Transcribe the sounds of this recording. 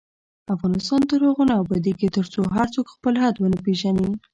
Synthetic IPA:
afɣɑnɪst̪ɑnt̪əɾhəɣonaawbɑd̪iket̪əɾt͡soɦaɾt͡sokxpəlɦad̪wənəpeʒani

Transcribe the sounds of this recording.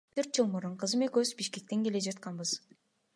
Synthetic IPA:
t̪ʰɵɾt̪̚d͡ʒɯlˠmuɾuɴqʰɯzɯmekøzbiʃke̞k̚t̪e̞ŋɡe̞le̞d͡ʒɑt̪qɑnbɯz̥

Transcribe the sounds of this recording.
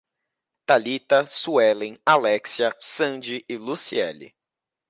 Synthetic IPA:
t̪alit̪ɐsuɛlẽj̃alɛksiɐsɐ̃d͡ʒɪʔɪlusiɛ̰lɪ̰

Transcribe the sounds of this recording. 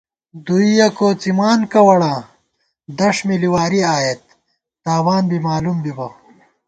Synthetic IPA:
d̪uijɐkoːt͡simaːnkɐwɐɽã | d̪ɐʂmiliwaːɾiaːjet̪̚ | t̪aːwaːnbimaːlumbibɐ

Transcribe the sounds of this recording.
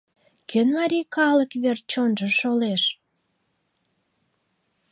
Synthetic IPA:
kʰønmɑɾʲijkɑləkβert͡ɕonʒəʃoleʃ

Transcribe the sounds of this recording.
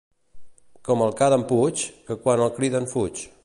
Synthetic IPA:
kɔməlˠkaðəmput͡ʃkəkwanəlˠkɾiðəɱfut͡ʃ

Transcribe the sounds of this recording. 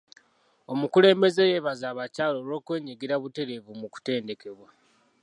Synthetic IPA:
o̞mukule̞ːmbe̞ze̞je̞βazaːβacaːlo̞lo̞ːkwe̞ːɲiɡiɾaβute̞ɾe̞vumuku̥te̞ːnde̞ke̞βwa

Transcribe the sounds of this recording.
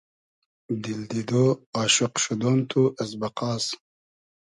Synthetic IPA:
d̪ild̪id̪oɑːɕoqʃud̪ont̪ʰuʔɐsbɐqɑːs

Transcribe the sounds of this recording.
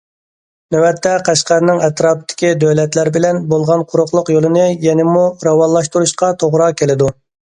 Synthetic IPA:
nøwɛt̪ʰːɛqʰæʃqæɾnɪŋɛt̪ɾɑːp̚t̪ʰːɪ̥kʲid̪øwlɛt̪læɾbɪlɛnbolˠʁɑnqʰʊɾʊχlˠʊqjolˠɨnɨjɛnɪmuɾɑwɑnlːˠɑʃt̪uɾuʃqɑt̪ʰoʁɾɑkʲelɪd̪u

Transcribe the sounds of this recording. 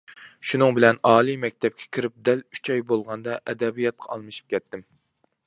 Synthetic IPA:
ʃunɨŋbɪlɛnɑːlˠimɛk̚ʲt̪ʰɛp̚kʲʰɛ̥kʲʰiɾɪp̚d̪ɛly̥t͡ʃʰɑjbolˠʁɑnd̪ɑʔɛd̪ɛbijɑt̪̚qʰɑɑlˠmɨʃi̥p̚kʲʰɛt̪ʰːɪm

